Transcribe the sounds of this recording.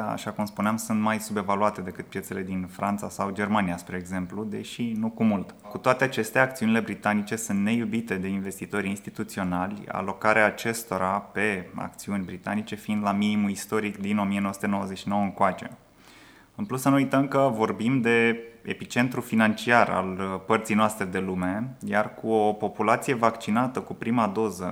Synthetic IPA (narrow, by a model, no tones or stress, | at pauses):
aa̰ʃakumspuneamsunt̪majsube̞valuat̪e̞d̪e̞kɨt̪̚pje̞t̪se̞le̞d̪infɾʔant̪sasawd͡ʒe̞rmanijaspɾe̞ːɡze̞mplud̪e̞ʃinukumult̪kut̪oat̪e̞at͡ʃe̞st̪eaːk̚t̪siunile̞bɾit̪anit͡ʃe̞sunt̪ne̞jubit̪e̞d̪e̞inve̞st̪it̪o̞ɾʲinst̪it̪ut̪sio̞nalʲa̰lo̞kaɾeaːt͡ʃe̞st̪o̞ɾape̞a̰k̚t̪siunʲbɾit̪anit͡ʃe̞find̪laminimuist̪o̞ɾikd̪ino̞mijenoəsut̪enowəzeʃino̞wəɨŋkoat͡ʃe̞̰ | ɨnplusːənuujt̪əmkəvo̞rbimd̪e̞epit͡ʃe̞nt̪ɾufinant͡ʃiara̰lpərt̪sijnoast̪ɾe̞d̪e̞lume̞jarkuopo̞pulat̪sije̞vakt͡ʃinat̪əkupɾimad̪o̞zə